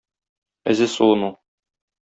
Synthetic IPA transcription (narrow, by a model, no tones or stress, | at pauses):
ɘ̰zɘsuɤ̆nu